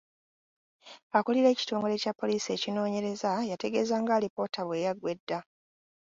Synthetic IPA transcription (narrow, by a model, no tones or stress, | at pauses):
akuliɾe̞ːci̥to̞ːŋɡo̞ɾe̞capːo̞liːsie̞ːcino̞ːɲe̞ɾe̞zajate̞ɡe̞ːzaːŋɡaɾipo̞ːtaβwe̞jaɡwe̞dːa